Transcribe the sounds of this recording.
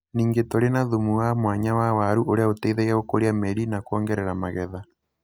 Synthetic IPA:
niːŋɡetoɾenaðumuwamwaɲawawaɾuoɾeaotɛiðɛɣaɣokoɾiamɛɾinakwɔːŋɡɛɾɛɾamaɣɛða

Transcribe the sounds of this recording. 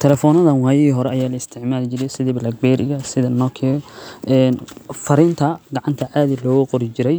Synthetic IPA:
t̪ʰɛlɛfɔːnɐðɐnwaːjɐɣiːɦɔɾɛɐjaːlɐɪst̪ʰɪʕmaːlt͡ʃɪɾɛjsɪðɛblɐɡ̚bɛːɾɪ̰ɣɐsɪðɐnɔkʰɛʔɛːnfɐɾɪnt̪ʰɐɡɑʕɑnt̪ʰɐʕaːðilɔːɣʊqɔɾɪt͡ʃɪɾɛj

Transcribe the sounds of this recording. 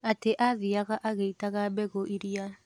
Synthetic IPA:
ateʔaðiaɣaʔaɣeitaɣabɛɣoʔiɾia

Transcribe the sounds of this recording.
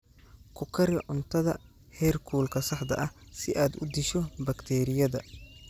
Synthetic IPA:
kʰʊkʰɐɾɪʕʊnt̪ʰɐðɐ | hɛːrkʰuːlkʰɐsɐħd̪ɐ̰ʔɐhsɪʔaːd̪ʊd̪ɪʃɔbɐkt̪ʰɛːɾɪjɐðɐ

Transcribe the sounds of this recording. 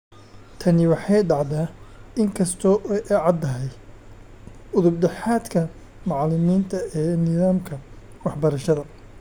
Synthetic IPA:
t̪ʰɐnɪwɑħɑjɖɑʕðaːɪŋkʰɐst̪ʰɔːʔʔɛʕɑd̪ːɐɦɛj | ʊðʊb̚ɖɛħaːd̪kʰɐ | mɑʕlɪmiːnt̪ʰɐɛːnɪðaːmkʰɐ | wɑħbɐɾɐʃɐðɐ

